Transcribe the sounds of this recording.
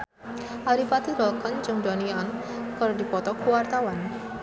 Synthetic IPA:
ʔaɾipat̪iɾɔlkɔnd͡ʒɨŋdɔniɔn | kaɾodipɔt̪ɔkuwart̪awan

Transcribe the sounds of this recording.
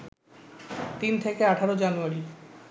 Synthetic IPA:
t̪int̪ʰekeaʈʰaɾod͡ʑanuaɾi

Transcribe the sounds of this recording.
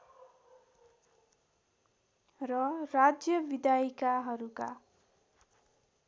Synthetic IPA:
rʌrad͡zjʌbid̪ajkaɦʌɾuka̰

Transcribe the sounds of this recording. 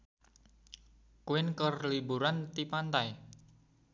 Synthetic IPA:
kuɪnkərlibuɾant̪ipant̪aj

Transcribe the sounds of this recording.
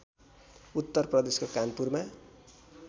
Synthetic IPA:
ut̪ːʌrprʌd̪eskokanpurma

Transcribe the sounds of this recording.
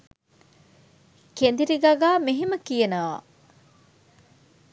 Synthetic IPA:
kend̪iɾiɡaɡaːmeɦiməkijɐnɐʋa̰ː

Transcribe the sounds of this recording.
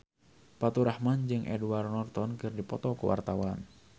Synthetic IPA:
pat̪uɾahmand͡ʒɨŋʔɛ̰duarnɔrt̪ɔnkɨrdipɔt̪ɔkuwʔa̰rt̪awan

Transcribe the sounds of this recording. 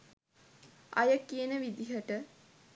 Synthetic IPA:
ɐ̰jəkiənəʋid̪iɦəʈə

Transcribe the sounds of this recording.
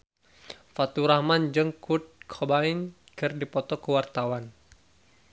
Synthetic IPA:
fat̪uɾahmand͡ʒɨŋkʰut̪̚kʰɔbain | kɨrdipɔt̪ɔkəwart̪awan

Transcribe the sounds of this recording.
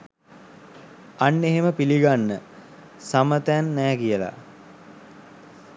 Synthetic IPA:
anːeɦeməpiliɡanːə | samət̪ænːæːkijəla̰

